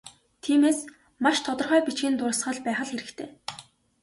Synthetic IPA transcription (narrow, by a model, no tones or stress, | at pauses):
t̪ʰiːmeːs | maʃt̪ʰɔt̪ɞ̆rχœːpʲit͡ɕɡĭːnt̪ʊɾ̆sχə̆ɮpæːχə̆ɮxeɾɘ̆kt̪ʰeː